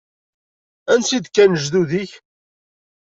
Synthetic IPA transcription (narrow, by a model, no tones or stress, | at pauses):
ænsid̪kːænəʒðuðiç